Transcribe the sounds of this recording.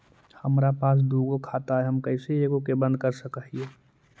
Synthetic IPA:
həmɾapaːs̬d̪uːɡokʰaːt̪aɦɛɦəmkəɪseeːɡokebə̃nd̪̚kəɾsəkəɦie

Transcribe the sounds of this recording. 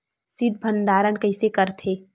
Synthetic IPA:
sɪd̪̚bʱə̃nd̪aːɾənkɐɪsekəɾt̪ʰeː

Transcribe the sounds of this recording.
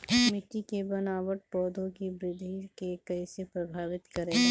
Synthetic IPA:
mɪʈikebɐnaːwəʈ̚pɔːd̪ʱõkibɾɪd̪ʱikekɐisepɾɐbʱaːʋɪt̪kɐɾẽː

